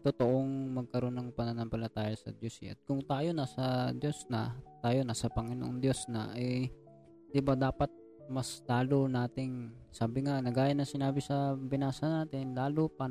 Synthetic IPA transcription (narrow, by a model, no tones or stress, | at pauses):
t̪ot̪oʔoŋmɐɡ̚kɐɾo̞nɐŋpɐnɐnɐmpɐlɐt̪aːjɐsɐ̰d̪jusɪ̰ʔɐ̰t̪̚kʊŋt̪aːjo̞nasɐd̪jo̞snɐt̪aːjonasɐpɐŋɪno̰ʔond̪jo̞snɐ̰ʔɐj | d̪ɪbad̪aːpɐt̪̚ | mɐsd̪̥aːlonaːt̪ɪŋ | saːbɪŋanɐɡaːjɐnɐŋsɪnaːbɪsɐbɪnaːsɐnaːt̪ɪnlaːlopa